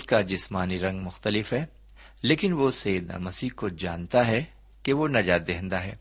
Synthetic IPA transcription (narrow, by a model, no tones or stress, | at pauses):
ʊskad͡ʒɪsmaːniɾɐ̃ŋɡmʊxt̪əlɪfɦɛ | leːkɪnʋosɐjɪd̪na̰mɐsiːkod͡ʒa̰ːnt̪aɦɛ | keʋonɐd͡ʒaːt̪̚d̪eːɦɛ̃nd̪aɦɛ̰ː